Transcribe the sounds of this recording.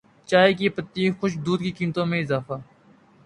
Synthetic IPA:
t͡ʃaːɦekipət̪ːiːxʊʃd̪uːd̪̚kikiːmt̪õːmẽɪzaːfaː

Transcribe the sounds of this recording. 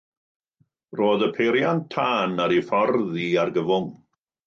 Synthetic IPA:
roːðəpʰeɾjantʰaːnaɾifɔrðiarɡəvʊŋ

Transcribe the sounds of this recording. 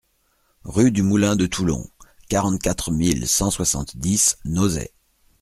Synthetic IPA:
ʁyd̪ymulɛ̃d̪ət̪ʰulɔ̰̃kaʁɑ̃t̪̚kʲat̪χmilsɑ̃swasɑ̰̃t̪d̪isnozɛ̰

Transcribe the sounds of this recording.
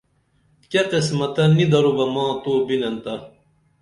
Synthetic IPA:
keqesmɐt̪ɐnːid̪ɐɾubɐmɑ̃ːt̪uːbinɐnt̪ɐ

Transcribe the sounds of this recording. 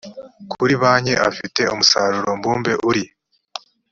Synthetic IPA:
kʰuɾiβaːɲe̞ʔafite̞omusaɾuɾo̞mbuːmbe̞ʔuɾi

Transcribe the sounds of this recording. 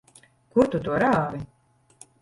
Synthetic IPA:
kuɾt̪ut̪uɔɾaːvi

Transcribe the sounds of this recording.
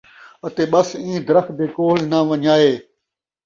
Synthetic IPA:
ət̪eːɓəsĩːd̪ɾəx̚d̪eːkoːlnãːʋəɲaːeː

